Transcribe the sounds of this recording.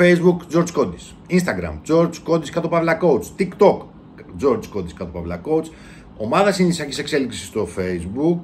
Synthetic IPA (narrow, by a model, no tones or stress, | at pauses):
feizbukd͡zo̞ɾd͡zko̞d̪i̥s | inst̪ɐɡɾɐ̰md͡zo̞ɾd͡zko̞d̪iskɐt̪o̞pɐvlɐko̞ut͡st̪ikt̪o̞k | d͡zo̞ɾd͡zko̞d̪iskɐt̪o̞pɐvlɐko̞ut͡s | o̞mɐðɐsinisiɐcise̞kse̞liksi̥st̪o̞feizbuk